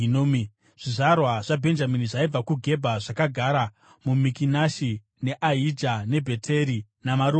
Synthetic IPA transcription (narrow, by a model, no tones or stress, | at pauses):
nom | ʐ̥iʐarwaʐ̥abʱe̞nd͡ʒaminiʐaib͡vakuɡʱe̞bʱaʐakaɡʱaɾa | mumikinaʃi | ne̞ʔaid͡ʒane̞bʱe̞tʰe̞ɾi | namaɾu